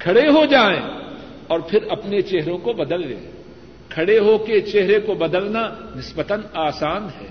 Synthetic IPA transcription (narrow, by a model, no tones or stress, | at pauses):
kʰɐɽeɦod͡ʒaːḛ̃ː | ɔːɾpʰɪɾɐpnet͡ʃeɦɾõkobɐd̪əlːḛ̃ː | kʰɐɽeɦoket͡ʃeɦɾekobɐd̪əlnanɪsbət̪ənaːsaːnɦɛ̰ː